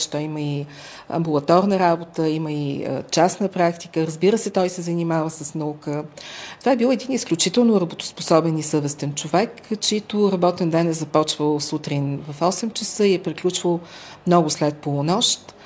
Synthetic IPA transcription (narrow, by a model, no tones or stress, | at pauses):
ʃt̪ɔiməi | ɐ̰mbulˠɐt̪ɔɾnəɾabot̪əiməḭt͡ʃasnəpɾakt̪i̥kəɾəzbiɾəsɛt̪ɔjsɛzɐnimavəsəsnɐukət̪ovaɛbilˠɛd̪inisklʲut͡ʃit̪ɛlˠnʊɾɐbot̪ʊ̥spo̥sɔbɛnisɤvɛst̪ɛnt͡ʃovɛkt͡ʃɛit̪ʊɾɐbɔt̪ɛnd̪ɛnɛzɐpɔt͡ʃvəlˠsut̪ɾinvɐfɔsɛmt͡ʃəsɤiɛpɾiklʲut͡ʃvəlˠ | mnɔɡʊslɛt̪̚polˠonɔʃt̪